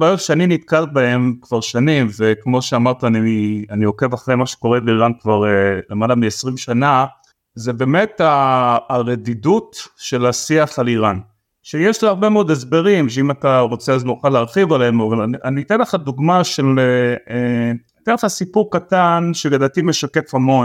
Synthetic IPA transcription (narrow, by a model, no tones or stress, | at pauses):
beʁevʃeaninit̪kalt̚bae̞mkv̥aʁʃanimvekmo̞ʃeamaʁt̪aanianio̞ke̞vaχʁejmaʃe̥ko̞ʁebeiʁankvaʁelemalamiesʁimʃana | zebe̞me̞taː | ʁedidutʃe̞lasiaχaliʁan | ʃejeʃliaʁbe̞meod̪es̬beʁimʃeimataʁo̞t͡seazmuχaleaʁχivaleemovalaniʔanit̪enleχaduɡmaʃelee | t̪eeχasipuʁkatanʃeɡadat̪imeʃakefhamo̞n